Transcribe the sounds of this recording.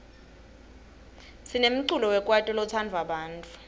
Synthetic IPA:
sinem̩ǀulɔwɛkʼwatʼɔlɔt͡sʰandʱwaɓaːntʼu̥

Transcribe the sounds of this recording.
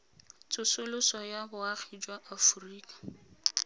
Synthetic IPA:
t͡sʼʊsʊlʊsɔjabʊaχid͡ʒwaʔafuriːkḁ

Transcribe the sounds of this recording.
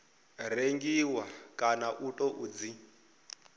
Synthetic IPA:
reŋɡiwakʼanaʔutʼɔʔuːd͡zi

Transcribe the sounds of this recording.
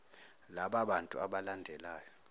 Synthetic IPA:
laɓaɓantʼṵaɓalandʱɛlaːjɔ

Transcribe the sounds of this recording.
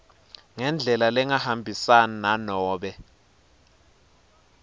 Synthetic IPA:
ŋɛnd͡ɮʱɛlalɛŋahambʱisanananɔːɓɛ

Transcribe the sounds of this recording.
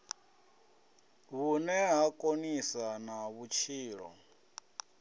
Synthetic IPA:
βunɛɦakʼonisanaβut͡ʃʰiːɺɔ̰

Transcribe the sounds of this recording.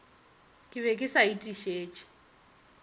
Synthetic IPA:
kʼɪβɛkʼɪsaitʼiʃeːt͡ʃʼi̥

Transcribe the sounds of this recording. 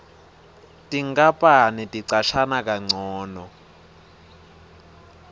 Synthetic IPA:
tiŋɡapʼanitʼiǀaʃanak̬ʼaŋ͡ǀɔːnɔ

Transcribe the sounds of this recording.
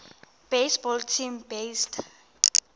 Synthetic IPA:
b̥esbɔltʰimbestʰ

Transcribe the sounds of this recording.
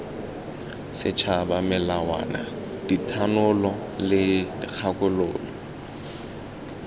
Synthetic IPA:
sɪt͡ʃʰabamɪlawa̰na̰ | d̥itʰanʊlɔ | lɪdɪk͡xʰakʼʊlo̰ːlɔ

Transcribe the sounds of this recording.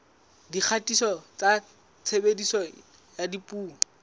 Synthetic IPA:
dik͡xʰatisɔt͡sa | t͡sʰebedisɔ | jadipʼuːŋɔ

